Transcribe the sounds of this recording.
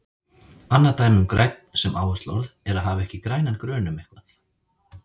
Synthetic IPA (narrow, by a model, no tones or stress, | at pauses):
anːat̪aːjmʏmkɾajt̪̚n̥sɛmʔa̰ːwast̪lɔ̰wɾðɛɾaðɦaːvaɛhcɪkɾaːjnankɾœːnʏmehkvaθ